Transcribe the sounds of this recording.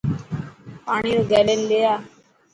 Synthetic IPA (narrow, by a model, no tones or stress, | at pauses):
paːɳiːɾoːɡɛːleːnleːjaː